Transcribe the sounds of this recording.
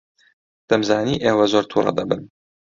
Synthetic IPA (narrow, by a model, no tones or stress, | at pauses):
d̪̥ɐmzaːniːʔeːwɐzoɾt̪ʰuːrˤɐ̰d̪ɐbɨn